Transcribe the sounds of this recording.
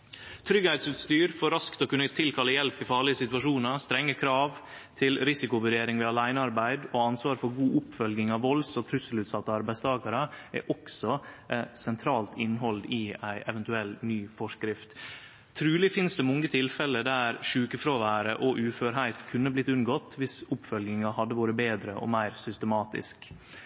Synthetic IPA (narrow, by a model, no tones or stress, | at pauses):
t̪ʰɾʏɡhæɪt̪sʉt̪st̪yːɾfɔɾɑskt̪ɔkʉnːət̪ʰɪlt̪ʰɑləjɛlpɪfɑːɭɪəsɪt̪ʉɑʂuːnɑst̪ɾɛŋːəkʰɾɑːʋ | t̪ʰɪlɾɪsɪkʊʋʉɾeːɾɪŋʋɛɑlæɪnəɑɾbæɪd̪oːɑnsʋɑːɾfɔɾɡuːʔʊpfœlɡɪŋɑʋʋɔlsɔt̪ʰɾʉsəlʉːt̪sɑt̪ːəɑɾbæɪst̪ʰɑːkɑɾəɛ̰ʔɔksɔsɛnt̪ʰɾɑːlt̪ʰɪnːɦɔld̪ɪæɪʔɛʋɛnt̪ʉɛlːnyːfɔʂkɾɪft̪ʰ | ɾʉːlɪfɪnsd̪ɛmɔŋːət̪ʰɪlfɛləd̪æɾʂʉːkəfɾoːʋæːɾəʔɔʔʉːføːɾɦæɪt̪kʰʉnːəblɪt̪ːʉnɡɔt̪ʋɪsʊpːfœlɡɪŋɑhɑd̪ːəʋoːɾəbeːd̪ɾəʔɔ̰mæɪɾsʏst̪əmɑːt̪ɪ̰sk